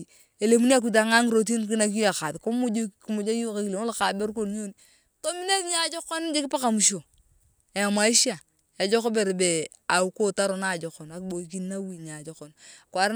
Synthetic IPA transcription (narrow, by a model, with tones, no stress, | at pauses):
e˨le˨mu˦ni˦a˦k̬u˨t̬a˨ŋa˦ŋ˨ɾo˨t̬i˦nki˦na˦k̬i˦a˨ka˨tko˦mu˦d͡ʒo˦ki˨˦mu˨d͡ʒa˦ju˦ka˦ki˨e˨ŋo˦lka˨be˦ɾko˦˨nɲo˦ni | to˦mi˦ne˦tɲa˨˦d͡ʒo˦kːo˦n˦d͡ʒe˦kɪ˦pa˦ka˨mu˨ʃo˨ | e˨ja˨ma˨˦i˦ʃi˦a˨ | ja˨d͡ʒo˦ko˦be˨ɾbe˨ | a˨u˦ko˦ta˦ɾo˨na˦˨d͡ʒo˨ko˨na˨kbo˨˦ki˦na˦wi˨ɲa˨d͡ʒo˨ko˨nkwa˨ɾ